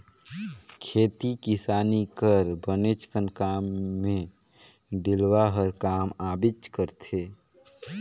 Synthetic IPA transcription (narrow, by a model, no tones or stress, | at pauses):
kʰeːt̪ikɪsaːnikəɾbənet͡ʃkənkaːmːẽ | ɖɪlwaɦəɾkaːmaːbɪt͡ʃkəɾt̪ʰeː